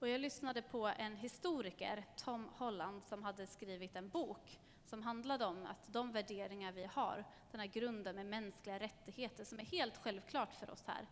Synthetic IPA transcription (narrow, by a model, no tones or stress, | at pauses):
ɔjɑːɡlʏsnad̪əpʰɔɛnɦɪst̪uːɾɪkə̰ɾt̪ʰɔmːhɔlːand̪sɔmɦad̪ːəskɾiːvɪt̪ɛnbuːk | sɔmɦand̪lad̪əɔma̰t̪d̪ɔmvæɖeːɾɪŋaɾvɪha̰ɾd̪̥ɛnhæːɾɡɾɵnd̪ənmɛmɛnsklɪɡaɾɛt̪ːɪɡheːt̪əʂɔmæɾheːlt̪ɧɛlvkʰlɑːʈfœɾʔɔ̰shæ̰ːɾ